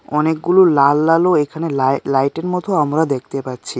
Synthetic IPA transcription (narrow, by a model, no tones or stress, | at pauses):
ɔnekɡululalːaloekʰanellajʈeɾmɔt̪ʰoamɾad̪ek̚ʰt̪epatːɕʰi